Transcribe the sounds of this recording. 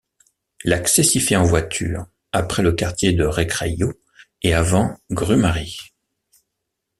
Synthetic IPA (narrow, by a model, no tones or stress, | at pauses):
laksɛsifɛɑ̃vwat̪ʰyːʁ | apχɛləkaʁt̪jed̪əʁekχejo | eavɑ̃ɡʁymaʁi